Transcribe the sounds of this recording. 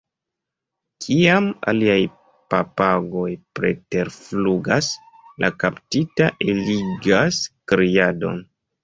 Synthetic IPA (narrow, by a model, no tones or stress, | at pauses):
kʰiama̰liaj | papaɡo̞jpɾe̞̰te̞ɾfluɡas | lʔakaptitaʔeliɡaskɾiado̞̰n